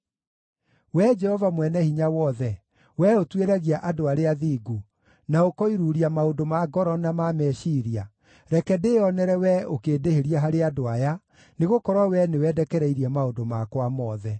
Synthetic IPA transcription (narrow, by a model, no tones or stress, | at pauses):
wɛd͡ʒɛhɔvamwɛnɛhiɲawɔðɛ | wɛotweɾaɣiaʔadoaɾeaðiɡu | naokɔiɾuɾiamaodomaɡɔɾɔnamamɛʃiɾia | ɾɛkɛdeɔnɛɾɛwɛokeːdeheɾiaɦaɾeadoaja | neɣokɔɾwawɛnewɛdɛkɛɾɛiɾiamaondomakwamɔðɛ